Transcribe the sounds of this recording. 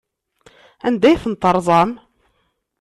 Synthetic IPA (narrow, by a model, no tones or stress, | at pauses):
ænd̪æjθənt̪ːəɾˤðˤɑm